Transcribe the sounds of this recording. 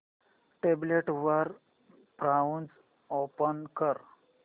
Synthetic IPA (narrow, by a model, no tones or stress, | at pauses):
ʈebleʈʋəɾ | pɾawns | opənkəɾ